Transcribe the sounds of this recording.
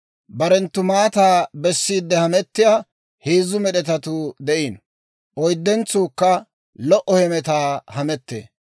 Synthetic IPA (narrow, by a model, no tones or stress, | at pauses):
bɐɾɛnt̪ːʊmaːt̪aːbɛsːiːd̪ːɛhɐmɛt̪ːɪjaː | heːzːʊmɛɗɛt̪ɐt̪ʊd̪ɛʔiːn | ʔɔjd̪ːɛnt͡suːkːɐ | lɔʔɔhɛmɛt̪aːhɐmɛt̪ːḛː